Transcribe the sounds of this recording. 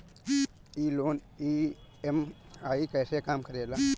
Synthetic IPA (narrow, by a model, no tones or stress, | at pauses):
iːloːn | iːemaːikəːsekaːmkəɾeːlaː